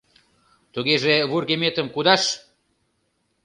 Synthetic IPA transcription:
t̪uɣeʒeβurɣemet̪əmkud̪ɑʃ

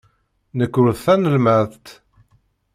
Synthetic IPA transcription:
nəkːʊɾðθænəlmæθt̪

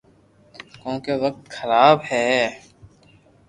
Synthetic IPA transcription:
kõːkeʋək̚t̪xəɾaːbhɛː

